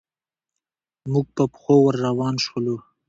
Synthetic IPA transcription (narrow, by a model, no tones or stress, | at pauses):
muɡ̚pəpxowəɾːawɑnʃwolu